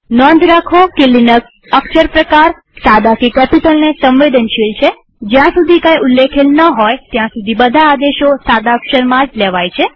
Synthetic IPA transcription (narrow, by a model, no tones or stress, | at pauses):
nɔnd̪ʱɾakʰokilinək | əkʃəɾpɾəkaɾ | sad̪akikɛpiʈəlnesə̃mʋed̪ənʃilt͡ʃʰe | d͡ʒjãsud̪ʱikãjulːekʰelnəɦɔjt̪jãsud̪ʱibəd̪ʱaːd̪eʃosad̪akʃəɾmãd͡ʒlɛʋajt͡ʃʰe